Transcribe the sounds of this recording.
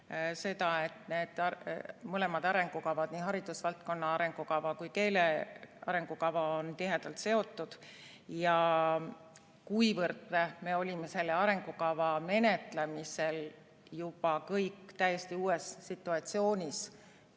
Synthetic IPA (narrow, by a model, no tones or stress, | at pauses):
se̞t̪ɑe̞t̪ne̞ːd̪̥ɑmɤle̞mɑd̪̥ɑɾe̞ŋɡ̥ukɑvɑd̪̥nihɦɑɾid̪̥usvɑlt̪̚ko̞nːɑɑɾe̞ŋɡ̥ukɑvɑkujke̞ːleɑ̰ɾe̞ŋɡ̥ukɑvɑont̪iɦe̞d̪̥ɑlt̪se̞o̞t̪ːˑud̪̥ | jɑ | kujvɤrt̪ːeme̞o̞lʲime̞se̞lːeɑɾe̞ŋɡ̥ukɑvɑme̞net̪lemise̞l | jub̥ɑkɤjkːˑt̪æjest̪iuːe̞sːit̪ːˑuɑt̪sio̞ːnʲis